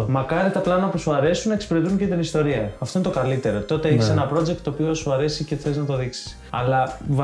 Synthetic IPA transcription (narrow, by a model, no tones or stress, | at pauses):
mɐkɐɾit̪ɐplɐnɐpusuɐɾe̞sunɐekspeɾe̞t̪uɲcet̪inist̪o̞ɾiɐɐft̪o̞inet̪o̞kɐlit̪e̞ɾo̞t̪o̞t̪e̞eçisenɐpɾo̞d͡ʒek̚t̪ːo̞ːpio̞suɐɾe̞siceθeliznɐt̪o̞ðiksi̥s | ɐlɐv